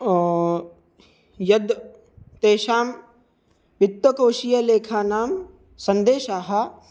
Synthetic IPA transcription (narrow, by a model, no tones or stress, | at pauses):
jɐd̪ | t̪eːʃaːm | ʋɪt̪ːwɐkoːʃijɐleːkʰaːnaːm | sɐ̃nd̪eːʃaːɦɐ